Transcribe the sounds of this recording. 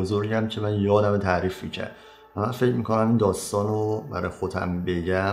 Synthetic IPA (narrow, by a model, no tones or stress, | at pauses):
ozoɾæmcʰe̞mænjɒːd̪æmt̪ʰæɾiːfmicʰæ̰ɾd̪ | væmænfecʰmiːkʰo̞næmind̪ɒːst̪ɒːnobæ̰ɾɒ̰ːjxod̪ʰæ̰mbe̞ɟæ